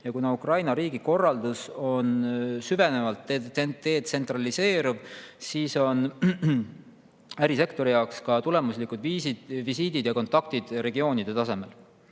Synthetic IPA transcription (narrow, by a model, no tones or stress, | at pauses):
jɑkunɑukrɑjnɑɾiːɡ̥iko̞rːɑld̪uso̞nsyve̞ne̞vɑlt̪ːeet̪ːe̞ːt̪̚se̞nt̪rɑlise̞ːɾuvsiːso̞n | æɾise̞kt̪o̞ɾijɑwkskɑt̪ule̞muslikːˑud̪viːsi̥visiːd̪̥id̪̥jɑko̞nt̪ːˑɑk̚t̪id̪̥re̞ɡio̞ːnid̪̥e̞t̪ɑse̞me̞l